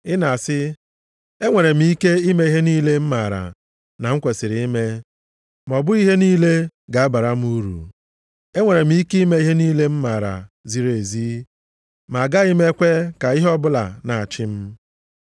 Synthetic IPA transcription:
ɪ˦na˨sɪ˦ | e˦ŋʷe˨ɾe˨m̩˦i˦ke˦i˦me˦i˦ɦe˦niː˦le˦m̩˦ma˨ɾa̰˨ | na˨ŋ̩˦kʷe˨sɪ˨ɾi˨i˦me˦ | m˨ɔ˨bʊ˦i˦ɦe˦niː˦le˦ɡa˨a˦ba˨ɾa˦m̩˦u˦ɾṵ˨ | e˦ŋʷe˨ɾe˨m̩˦i˦kme˦i˦ɦe˦niː˦le˦m̩˦ma˨ɾa̰˨zi˨ɾe˨ziː˦ | ma˨ɡa˦i˦me˦kʷe˦ka˨i˦ɦɔ˦bʊ˦la̰˨na˨a˨t͡ʃɪ˦m̩˦

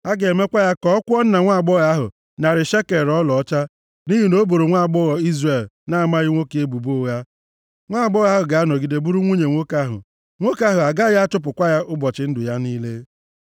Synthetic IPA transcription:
a˦ɡe˨me˦kʷa˦ja˦kɔ˦kʷɔ˦n̩˦na˨ŋʷa˦˨ɡ͡bɔ˦ɣa˦ɦʊ̰˨ | na˨ɾɪ˨ʃe˦ke˨ɾɔ˦lɔ˨ɔ˦t͡ʃa˦ | ni˦ɦi˨no˦bo˨ɾo˨ŋʷa˦˨ɡ͡bɔ˦ɣɔ˨i˦zre˨lna˦a˨ma˦ɣɪ˦ŋʷo˦ke˦bu˨bo˦˨ɣa˦ | ŋʷa˦˨ɡ͡bɔ˦ɣa˦ɦʊ˨ɡa˨a˦nɔ˨ɡi˨de˨bu˦ɾu˦ŋʷu˦ɲe˨ŋʷo˦ka˦ɦʊ̰˨ | ŋʷo˦ka˦ɦʊ˨a˨ɡa˦ja˦a˦tʊ˦p̬ʊ˨kʷa˦ja˦ʔʊ˦bɔ˨t͡ʃɪ˨˦n̩˦dʊ˨ja˦niː˦le˦

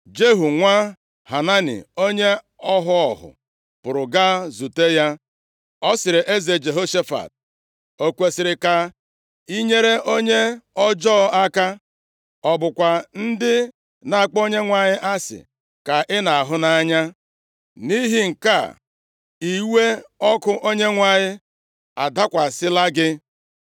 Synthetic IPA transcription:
d͡ʒe˦ɦu˨ŋʷa˦ | ha˨na˦nḭ˨o˦ɲe˦ | ɔ˦ɦʊ˦ɔ˨ɦʊ̰˨ | pʊ˨ɾʊ˨ɡa˦zu˨te˦ja˦ | ɔ˦sɪ˨ɾɪ˨ʔe˦ze˨d͡ʒe˨ɦo˦ʃe˦fa̰˨t̚ | o˨kʷe˨sɪ˨ɾɪ˨ka˨ | i˦ɲe˦ɾe˦ʔo˦ɲe˦ɔ˦d͡ʒɔː˦a˦ka˦ | ɔ˦bʊ˨kʷa˨n̩˦dɪ˦ | na˨a˨k͡po˦ɲe˦ŋʷa˨ɲɪ˦ʔa˦sɪ̰˨ | ka˨ʔɪ˦na˨a˨ɦʊ˦na˦a˦ɲa˦ | ni˦ɦi˦ŋ̩˨ka̰˦˨ | i˨we˦ɔ˦kʊ˦ʔo˦ɲe˦ŋʷa˨ɲɪ˦ | a̰˨da˦kʷa˨sɪ˦la˦ɡɪ˦

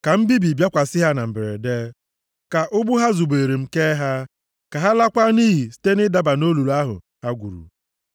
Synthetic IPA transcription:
ka˨m̩˦bi˦bi˨bja˦kʷa˨sɪ˦ɦa˦na˨m̩˨be˨ɾḛ˨deː˦ | ka˨ʔʊ˦bʊ˦ɦa˦zu˨ɡ͡be˨ɾe˨m̩˦ke˦ɦa˦ | ka˨ɦa˦la˦kʷa˦niː˦ɦi˨si̥˦te˦nɪ˦da˦ba˨no˦lu˨ɾu˨˦a˦ɦʊ̰˨ | ha˦ɡʷṵ˨ɾṵ˨

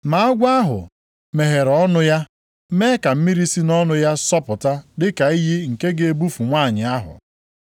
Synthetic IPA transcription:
ma˨a˦ɡʷa˦ɦʊ̰˨ | me˨ɦe˨ɾɔ˦nʊ˦ja˦ | me˦ka˨m̩˦mi˦ɾi˦si˦nɔ˦nʊ˦ja˦sɔ˦pʊ˨ta˦dɪ˦ka˨i˦ɦi˦ŋ̩˨ke˦ɡe˦e˦bu˦fu˨ŋʷaː˦˨ɲɪ˨a˦ɦʊ̰˨

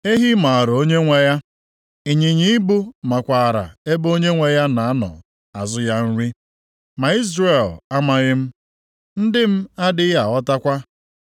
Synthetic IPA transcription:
e˦ɦi˦ma˨a˨ɾo˦ɲe˦ŋʷe˦ja˦ | i˨ɲi˨ɲi˦bu˦ma˨kʷa˨ɾa̰˨e˦bo˦ɲe˦ŋʷe˦ja˦na˨a˦nɔ̰˨ | a˨zʊ˦ja˦n̩˦ɾi˦ | ma˨i˦zɾe˨la˦ma˨ɣɪ˦m̩˦ | n̩˦dɪ˦m̩˦a˦dɪ˦ja˨ɔ˦ta˦kʷa˦

